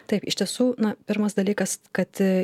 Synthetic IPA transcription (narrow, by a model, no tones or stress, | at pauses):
t̪ɐɪpɪʃt̪ʲiɛsuːnɐpʲɪɾmɐsd̪ɐlʲiːkɐskɐt̪